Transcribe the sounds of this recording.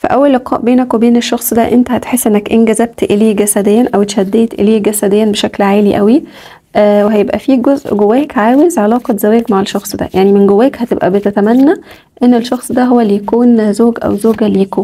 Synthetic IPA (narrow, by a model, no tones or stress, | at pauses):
fæ̰ʔæwːælːeqʰɑ̰ːʔbeːnækwebeːneʃːɑxsˤd̪æʔent̪æhæt̪ħesːʔenːækʔenɡæzæb̚t̪ʔeleːɡæsæd̪ejːænʔæwt̪ʃæd̪ːeːt̪ʔḛleːɡæsæd̪ejːænbeʃæklʕaːliʔæwi | ʔweɦæjebʔæfiːɡozʔɡowːæːkʕaːwezʕelɑːqɑzæwæːɡmaʕeʃːɑxsˤd̪æ̰jʔaʕnimenɡowːæːkhæt̪ebʔæ̰bet̪æt̪æmænːæ | ʔenːelʃːɑxsˤd̪æɦowːælːijækuːnzoːɡʔæ̰wzoːɡælːijækuːn